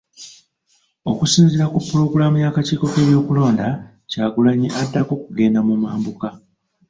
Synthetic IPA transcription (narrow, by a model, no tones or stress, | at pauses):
o̞kusiːnziɾakupːuɾo̞ɡulamujakaciːko̞ke̞βjo̞ːkulo̞ːnda | caːɡulaɲiʔadːako̞kuɡe̞ːndamumaːmbuka